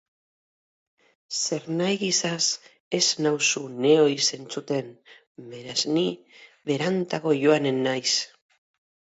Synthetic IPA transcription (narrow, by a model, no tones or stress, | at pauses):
se̞ɾnajɣisas | e̞znawsune̞o̞jse̞nt͡sut̪e̞n | me̞ɾazni | βe̞ɾant̪aɣo̞ʝo̞anenːajs